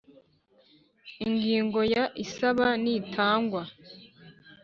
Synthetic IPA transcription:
iŋɡiːŋɡo̞jaʔisaβanitʰaːŋɡwa

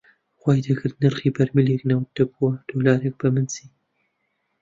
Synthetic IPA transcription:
xwaːjd̪ɐkʰɨɾd̪nɨɾχiːbɐɾmɨleknɐwd̪ɐbuwɐd̪̥oːlaːɾek̚bɐmɨnsiː

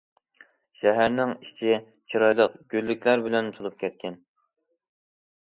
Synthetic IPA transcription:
ʃɛɦæɾnɪŋiʃt͡ʃʰi | t͡ʃʰiɾɑjlˠəqɡʲølːɪkʲʰlæɾbɪlɛnt̪ʰulˠup̚kʲʰɛt̪̚kʲʰɛn

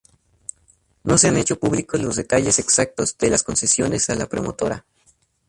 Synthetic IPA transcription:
no̞seane̞t͡ʃo̞puβlikolo̞zðe̞t̪aʝeseksak̚t̪o̞zd̪elasko̞nsesjo̞ne̞salapɾo̞mo̞t̪o̞ɾa̰

